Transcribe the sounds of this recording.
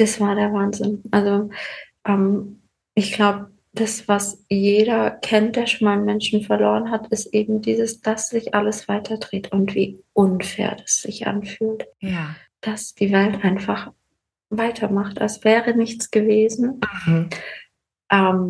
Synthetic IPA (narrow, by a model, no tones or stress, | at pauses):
d̥asv̥aːɐdeːɐvaːnzɪnʔalzoʔɛm | ʔɪçɡ̥laʊbə | d̥asv̥asjeːɾɐkʰɛnt̚d̥eːɐʃoːnmaːlnmɛnʃn̩fɛɐloːʁ̞ənɦatʰɪstʔeːbm̩diːzəsd̥asz̥ɪçʔaləsv̥aɪtʰɐdʁeːtʰʊntv̥ḭːʔʊnfɛ̰ːɐdasz̥ɪçʔa̰nfyːltj | d̥asd̥iːvɛltʔaɪnfaχ | vaɪtʰɐmaχta̰lsv̥ɛːʁənɪçt͡sɡ̥əveːzn̩ | ʔɛːm